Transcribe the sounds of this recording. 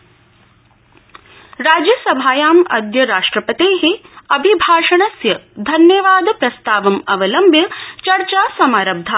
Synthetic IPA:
ɾaːd͡ʒjɐsɐbʱaːjaːmɐ̰d̪jɐɾaːʂʈɾɐpɐt̪eːɦeɐbʱibʱaːʂɐɳɐsjɐd̪ʱɐnjɐʋaːd̪pɾɐst̪aːʋɐmɐʋɐlɐmbʱjɐt͡ʃɐɾt͡ʃaːsɐmaːɾɐb̚d̪ʱa

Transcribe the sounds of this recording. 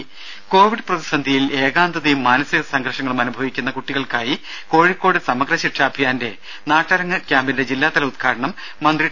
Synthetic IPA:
ko̞ːʋiɽɨprɐðisɐnd̪ʱijile̞ːɣaːnd̪ɐðijumːaːnɐsiɣɐsɐŋɡʱɐrʂɐŋːɐɭumɐnubʱɐʋikʲːunːɐkuʈːiɣɐɭkaːji | ko̞ːɻikːo̞ːɽɨsɐmɐɡrɐɕiʈʰraːbʱijaːnde̞ | naːʈːɐɾɐŋːɐkʲjaːmbinde̞d͡ʑilːaːt̪ɐlɐud̪̚kʰaːɽɐɳɐmː | ɐnd̪ri

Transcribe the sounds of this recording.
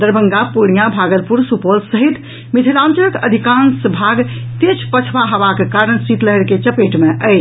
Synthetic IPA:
d̪əɾbʱəŋɡapuɽijabʱaɡəlpuɾsupolsəɦit̪ | mit̪ʰilãnt͡ʃəkə̰d̪ʱikãnsbʱaɡt̪et͡ʃʰpət͡ʃʰbaɦəbakekaɾənsit̪ləɦɛɾket͡ʃəpeʈmeʔəjt͡ʃʰ

